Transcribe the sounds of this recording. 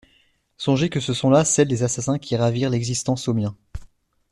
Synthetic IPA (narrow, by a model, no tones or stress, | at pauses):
sɔ̃ʒekəsəsɔ̃lasɛld̪ezasasɛ̃kʲʰiʁaviʁlɛɡzist̪ɑ̃somjɛ̃